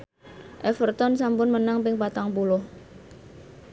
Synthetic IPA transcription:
ʔɛfərt̪ɔnsampʊnmənaŋpɪŋpat̪aŋpulʊh

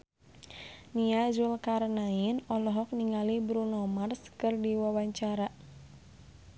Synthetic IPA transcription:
niazulkaɾnainɔlɔɦɔk̚niŋalibɾunɔmarskɨrdiwawaɲt͡ʃaɾa

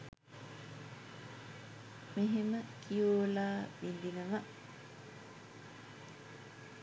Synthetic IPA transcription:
meɦeməkʰijoːlaːʋind̪inəʋa

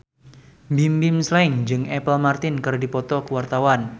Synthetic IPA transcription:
mbimbimslaɪŋd͡ʒɨŋɛpəlmart̪ɪnkərdipɔt̪ɔkəwart̪awan

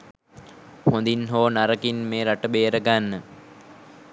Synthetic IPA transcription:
hond̪inɦoːnaɾəkinmeːɾaʈəbeːɾəɡanːə

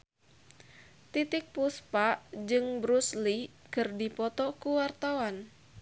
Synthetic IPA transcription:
t̪it̪ɪk̚puspaʔd͡ʒɨŋbɾuslikɨrdipɔt̪ɔkuwart̪awan

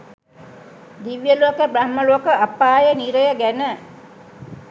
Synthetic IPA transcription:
d̪iʋjəlokəbɾahməloːkəapːaːjəniɾəjəɡænə

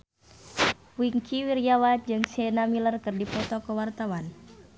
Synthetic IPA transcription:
wiŋkʰiwiɾijawad͡ʒɨŋsenamilərkɨrdipɔt̪ɔkəwart̪awan

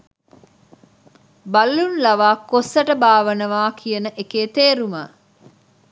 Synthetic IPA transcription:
baɐlːunlɐʋaːkːosəʈəbaːʋənəʋaːkʰijənəʔekeːt̪eːɾumə

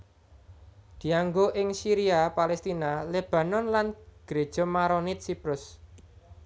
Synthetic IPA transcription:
d̪̥i̤aŋɡoʔɪŋsiɾiapalɛst̪inaleb̥a̤nɔnlanɡ̥ɾe̤̥ʒ̥ɔ̤maɾonɪt̪̚sipɾʊs

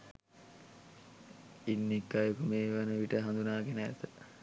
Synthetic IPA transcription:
inːikːajokumeːʋanəʋiʈəɦand̪unaːɡenə̰ːt̪ə

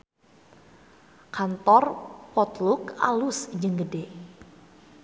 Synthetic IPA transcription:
kant̪ɔrpɔt̪luka̰lusd͡ʒɨŋɡəde

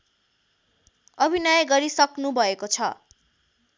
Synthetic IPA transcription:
ʌbʱinʌjɡʌɾisʌknubʱʌekot͡sʰʌ

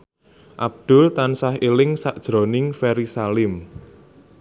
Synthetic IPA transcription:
ʔab̚d̪̥ʊ̤lt̪ansahelɪŋsaʔd̥ʒ̥ɾo̤nɪŋfɛɾisalɪm

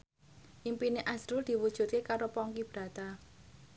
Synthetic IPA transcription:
ʔimpineʔazɾuld̪̥i̤wud̥ʒ̥ṳt̪̚kekaɾopɔŋkib̥ɾä̤t̪a

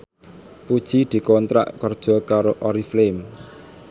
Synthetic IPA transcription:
pud̥ʒ̥id̪̥i̤kɔnt̪ɾa̰ʔkɔrd̥ʒ̥ɔ̤kaɾoʔɔɾiflem

